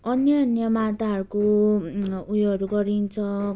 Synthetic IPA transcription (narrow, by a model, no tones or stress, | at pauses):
ʌnjʌːnjʌmat̪aɦʌɾuko | ujɦʌɾuɡʌɾint͡sʰʌ